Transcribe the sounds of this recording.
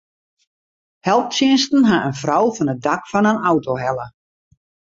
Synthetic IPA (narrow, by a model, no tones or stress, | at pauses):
hɛlˠp̚sɪənstn̩ɦaʔənfrɔwfɔnət̚dakfɔnənawtoɦɛlˠə